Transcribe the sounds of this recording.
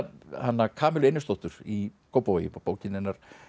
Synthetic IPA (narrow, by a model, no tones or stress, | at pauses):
hanːakʰaːmɪlenːʏst̪oht̪ʏɾ̥ikʰowpojɪ̰mɔpoːwcɪnɪnːaɾ̥